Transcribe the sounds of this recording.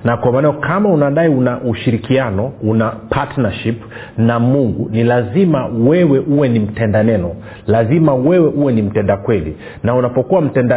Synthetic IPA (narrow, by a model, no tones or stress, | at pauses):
nakwamaːnajɔkʰamaunaɗaiunaʔuʃiɾikianɔunapʰatnaʃip | namuŋɡunilazimawɛwɛʔuwɛnim̩tɛndanɛnɔ | lazimawɛwɛʔuwɛnim̩tɛndakwɛlḭ | naunapɔkuwam̩tɛnda